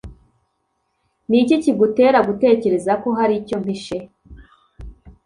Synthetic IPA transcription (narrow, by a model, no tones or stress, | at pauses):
niciciɡute̞ːɾaɡute̞ːce̞ɾe̞zako̞ɦaɾico̞m̥iʃe